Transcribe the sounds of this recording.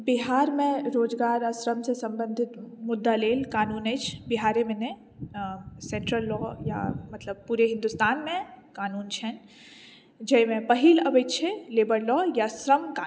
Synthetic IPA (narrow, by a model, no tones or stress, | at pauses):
biɦaːɾmẽɾoːd͡ʒɡaːɾɐsɾəmsesɐ̃mbə̃nd̪ʱɪt̪mʊd̪ːaleːlkaːnuːned͡ʒʰbiɦaːɾemẽnẽ | sɛ̃ɳʈɾəlːɔːja̰mɐt̪ləb̚puːɾeɦɪ̃nd̪ʊst̪aːnmẽkaːnuːnt͡ʃʰɛn | d͡ʒɐjmẽpɐɦiːlɐʋet͡ʃʰeleːbəɾlɔːjasɾəmkaː